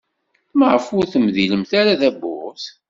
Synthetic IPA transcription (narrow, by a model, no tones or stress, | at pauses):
məʁəfʊɾθəmðiləmθaɾaðæbʊʁθ